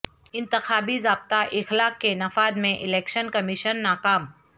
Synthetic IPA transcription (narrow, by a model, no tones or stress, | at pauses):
ɪ̃nt̪ɪxaːbizaːb̚t̪aʔɪxlaːkːenɐfaːd̪mẽʔɪleːkʃənkɐmɪʃənːaːkaːm